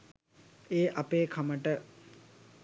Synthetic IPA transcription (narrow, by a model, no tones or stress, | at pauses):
eːʔapeːkʰaməʈə